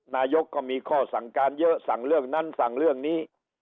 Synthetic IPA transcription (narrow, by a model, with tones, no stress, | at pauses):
naː˧jo˦˥kːɔː˥˩miː˧kʰɔː˥˩sa˩˦ŋkaː˧njɤ˦˥ʔsa˨˩˦ŋɾɯ˥˩əŋna˦˥nsa˨˩˦ŋɾɯ˥˩əŋniː˦˥